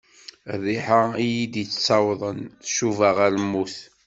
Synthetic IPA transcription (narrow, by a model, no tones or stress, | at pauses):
ðˤiħaijid̪it͡st͡sːɑwðˤənθʃuvaʁæɾmːuθ